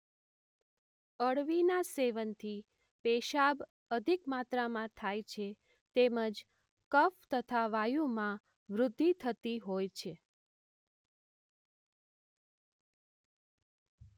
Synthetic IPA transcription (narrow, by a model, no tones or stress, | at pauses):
əɽʋinaseʋənt̪ʰi | peʃab | əd̪ʱikmat̪ɾamãt̪ʰajt͡ʃʰe | t̪eməd͡ʒ | kəft̪ət̪ʰaʋajumã | ʋɾʊd̪ʱːit̪ʰət̪iɦojt͡ʃʰe